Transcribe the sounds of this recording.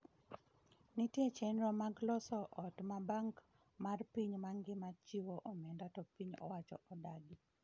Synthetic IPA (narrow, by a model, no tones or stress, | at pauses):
nitjet͡ʃɛnɾɔmaɡlɔsɔʔɔtmabaŋk | marpiɲmaŋɡɪmat͡ʃiwoʔɔmɛndatɔpiɲɔ̰wat͡ʃɔ̰ʔɔdaɡi